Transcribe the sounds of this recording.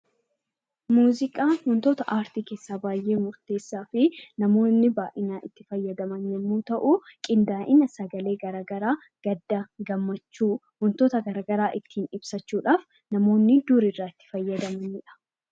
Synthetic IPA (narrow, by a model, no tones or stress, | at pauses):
muːzɪkʼaːhʊnt̪ɔt̪ɐʔaːɾt̪ike̞ːsːaːbaːjʔe̞ːmʊɾt̪e̞ːsːaːfɪnɐmo̞ːnːɪbaːʔɪnaːʔɪt̪ːɪfɐjːɐd̪ɐmɐnjɛmːuːt̪ɐʔukʼɪnd̪aːʔɪnɐsɐɡɐle̞ːɡɐɾaːɡɐɾaː | ɡ̥ɐd̪ːaɡɐmːɐt͡ʃːuː | hʊnt̪ɔt̪ɐɡɐɾaːɡɐɾaːʔɪt̪ʰːiːnɪbsɐt͡ʃːuːᶑaːf | nɐmo̞ːnːɪd̪uːɾɪrːaːɪt̪ːɪ̥fɐjːɐd̪ɐmɐnɪᶑɐ̥